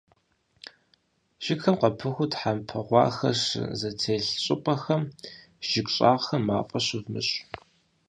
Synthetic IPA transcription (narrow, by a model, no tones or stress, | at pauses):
ʒ̥ɪxɐmqɐpʰɨxʷʊtħampʰɨʁʷɑ̰ːxɐ̰ɕzɐtʰeːɬɕʼɪpʼɐxɐm | ʒ̥ɪkʷɕʼa̰ːʁxɐmaːfʼɐɕɪvmɨ̰ɕʼ